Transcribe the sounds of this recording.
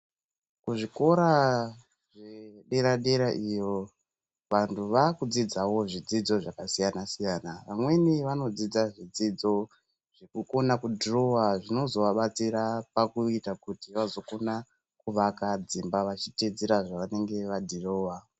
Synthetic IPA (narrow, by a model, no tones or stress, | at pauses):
kuʐiko̞ɾa | ʐeɗe̞ɾaɗe̞ɾaʔijo̞ | ʋantʰuʋakud͡zid͡zawo̞ʐid͡zid͡zo̞ʐakasijanasijanaʋamwe̞niʋano̞d͡zid͡zaʐid͡zid͡zo̞ | ʐ̥ekuko̞nakudʱiro̞waʐino̞zo̞ʋaɓat͡siɾapakuitakutiʋazo̞kona | kuʋakad͡zimbaʋat͡ʃited͡zeɾaʐaʋane̞ŋɡe̞ʋadʱiro̞ːwa